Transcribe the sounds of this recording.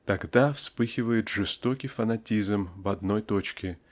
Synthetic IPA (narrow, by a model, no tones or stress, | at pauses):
t̪ɐɡd̪afspɨxʲɪvəjɪt̪ʐɨst̪o̞kʲijfɐnɐtʲizmvɐd̪no̞jt̪o̞t͡ɕkʲɪ